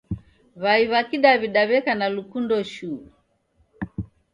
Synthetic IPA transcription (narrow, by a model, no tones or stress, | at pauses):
βaiβakiɗaβiɗaβɛkanalukundɔʃu